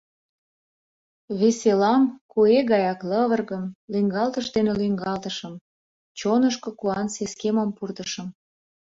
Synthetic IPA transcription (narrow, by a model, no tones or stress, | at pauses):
βeselɑmkueɣɑjɑkləβərɣəmlyŋɡɑlt̪əʃd̪enelyŋɡɑlt̪əʃəm | t͡ɕonəʃkokuɑnseskeməmpurt̪əʃə̆m